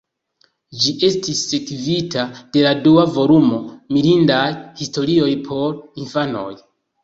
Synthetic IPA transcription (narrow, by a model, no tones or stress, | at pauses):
d͡ʒiʔe̞stisːe̞kvitʰad̥e̞laduavo̞lumo̞milindajhisto̞ɾio̞jpʰo̞ɾinfano̞̰j